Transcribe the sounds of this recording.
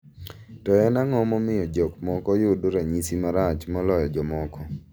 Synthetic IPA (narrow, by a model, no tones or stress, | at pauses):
tɔjɔnaŋɔmɔmɪjɔd͡ʒɔkmɔkɔjʊdoɾaɲisimaɾat͡ʃmɔlɔjɔd͡ʒɔmɔkɔ